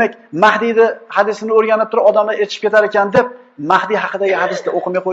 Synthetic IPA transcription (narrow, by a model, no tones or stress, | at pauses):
akʲmahd̪id̪ɪhad̪ɪsɪnɪoɾɡʲanɪp̚t̪ʰʊɾɪɒd̪amlaɾet͡ʃ̪ɪʃɪ̥pkʲet̪ʰaɾekʲand̪e̞p̚ | mahd̪iɦɑqʰɨd̪aɡʲɪhad̪ɪsd̪aoqʰɨmajqʰo